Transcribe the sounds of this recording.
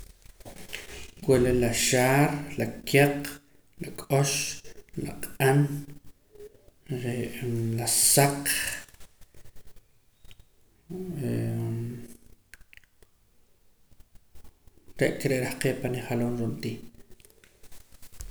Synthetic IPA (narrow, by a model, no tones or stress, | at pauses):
kwelelaʃaːɾlakʰeq | lakʼoʃla̰qʼan | ɾeʔlasaq | e | ɾeʔkeɾeʔɾahqeːpaniχaloːnɾont̪iː